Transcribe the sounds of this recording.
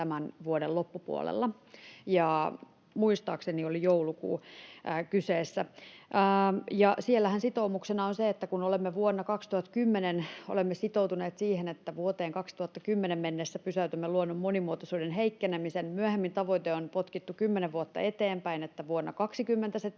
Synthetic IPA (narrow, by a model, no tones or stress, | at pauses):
t̪æmænʋuodelopːupṵo̰lḛlːɑ | jɑ | muist̪ɑːkseniolijoulukṵːkyseːsːæʔːjɑsielːæhænsit̪oumuksenɑonseet̪ːækunolemːeʋuonːɑkɑkst̪uhɑt̪kymːeneno̰lemːesit̪owt̪uneːt̪siːhenet̪ːæʋuot̪eːŋkɑkst̪uhɑt̪ːɑkymːenemmenːesːæpysæyt̪ymːeluonːomːonimuot̪osuːdenɦeikːenemisenmyæhemːint̪ɑʋoit̪eonpot̪kit̪ːukymːeneʋʋuot̪ːɑ̰et̪eːmpæinet̪ːæʋuonːɑ̰kɑksikymːent̪æse